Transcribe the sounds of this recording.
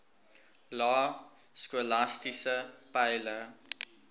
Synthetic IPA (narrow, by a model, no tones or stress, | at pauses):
lɑː | skulastisəpɛjlə